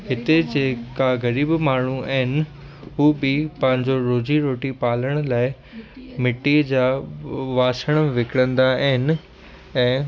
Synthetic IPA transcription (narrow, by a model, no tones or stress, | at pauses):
ɦɪt̪ed͡ʑeːkaɣɐɾiːbmaːɳ̤uaɦɪnɪ̆ | ɦuːbɪpɐ̃ɦɪ̃ɲd͡ʑoɾoːd͡ʑiɾoːʈipaːləɽ̃ʊlaːɪ | mɪʈːid͡ʑaːʋaːsəɽ̃ʋɪkɽə̃nd̪aaɦɪnɪ̆ | ɛ̃ː